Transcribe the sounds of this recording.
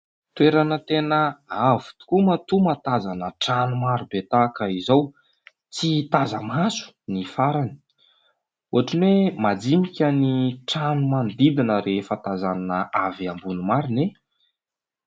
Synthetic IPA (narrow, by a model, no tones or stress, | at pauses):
t̪weɾanət̪enəavu̥t̪u̥kumat̪umat̪azanəʈ͡ʂanumaɾubet̪akəizaw | t͡sit̪azəmasu̥ | nifaɾani̥ | uaʈ͡ʂinwemad͡zimikʲaniʈ͡ʂanumand̪id̪inəɾefat̪azananəaviambunumaɾine